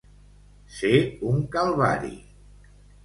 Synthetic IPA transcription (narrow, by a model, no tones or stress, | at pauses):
seuŋkalˠβa̰ɾḭ